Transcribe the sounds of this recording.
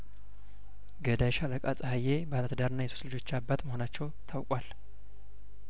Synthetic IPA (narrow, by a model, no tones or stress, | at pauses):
ɡəd̪ajɛʃaləkʼat͡sʼhajebəalat̪d̪aɾɨnːajɛsu̥slɨd͡ʒo̞t͡ʃːabːat̪məho̞nat͡ʃːɛwt̪ʰawkʼwal